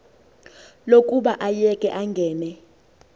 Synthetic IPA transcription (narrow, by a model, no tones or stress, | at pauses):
lokʼuɓaʔajɛkʼɛʔaŋɡʱɛːnɛ